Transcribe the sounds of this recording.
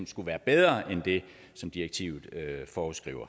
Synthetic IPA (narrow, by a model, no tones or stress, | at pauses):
nsɡ̥uʋæːɐb̥eð̞ˠʁɐʔend̥e̝ | sɒ̽md̥iʁɐɡ̥̚t͡sʰḭʊð̩ˠøfɒːusɡ̥ʁḭːʊɐ